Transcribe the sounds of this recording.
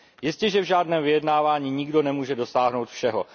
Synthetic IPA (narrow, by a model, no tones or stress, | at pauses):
jɪscɛʒɛvʒaːdnɛːmvɪjɛdnaːvaːɲiːɲɪɡdo̞nɛmuːʒɛdo̞saːɦno̞wt̪fʃɛɦo